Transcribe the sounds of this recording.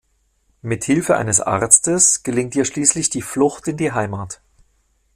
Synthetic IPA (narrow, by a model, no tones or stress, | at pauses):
mɪthɪlfəʔa̰ɪnəsʔa̰ʁt͡stəsɡ̥əlɪŋtdiːɐʃliːslɪçd̥iːflʊxtɪndiːɦaɪmaːt